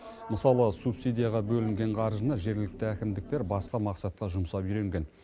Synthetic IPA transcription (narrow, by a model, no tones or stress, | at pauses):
məsɑlˠəsupsid̪ʲijaʁɑbɵlɪŋɡʲe̞ɴqʰɑɾʒənəʒe̞ɾɡʲɪlɪk̚t̪ɪækʲɪmd̪ɪk̚t̪eɾbɑsqɑmɑqsɑt̪̚qɑʒʊmsɑpiɾe̞ŋɡʲe̞n